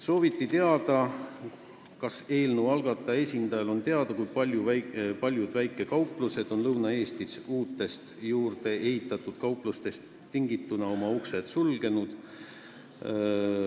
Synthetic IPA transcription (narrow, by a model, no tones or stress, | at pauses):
so̞ːvit̪ˑːit̪e̞ɑd̪̥ɑ | kɑse̞ːlnuwɑlɡ̥ɑt̪ːˑɑe̞sʲind̪̥ɑjɑlo̞nt̪e̞ɑd̪̥ɑkujpɑlʲjupɑlʲjud̪̥væjkːˑe̞kɑwpˑluse̞d̪̥o̞nlɤwnɑe̞ːst̪isuːt̪ːˑe̞st̪juːɾd̪̥e̞ʔe̞ɦit̪ˑːɑt̪ːˑud̪̥kɑuwplust̪e̞st̪ːiŋɡit̪ːˑunɑo̞mɑukse̞t̪sulɡ̥e̞nud̪̥